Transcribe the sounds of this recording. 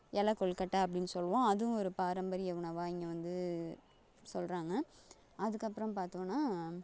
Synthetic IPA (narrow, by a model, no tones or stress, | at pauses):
ʔɛlɐkːɔɭkɐʈːɐɐp̬ːɐɽɪnːɯsɔlːʋõːɐðɯʊ̃ɔɾɯpaːɾɐmbɐɾɪjɐʊɳɐʋaːɪŋɡɐʋɐnd̪ɯ | sɔlɾaːŋɡɐ | ɐðɯkːɐpːɯɾɐ̃mpaːɾt̪õːnːaː